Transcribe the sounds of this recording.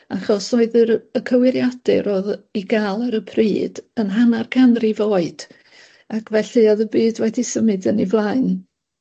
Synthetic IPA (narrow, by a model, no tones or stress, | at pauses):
a̰χɔsoɨðəɾəkʰəwɪɾjad̥ɨɾoːðiɡalˠəɾəpʰriːd̥ənɦanarkʰanrivoːɨd̥ | akʰvɛɬɨɔðəbɨːdwɛdisəmɨdənivlˠaɨn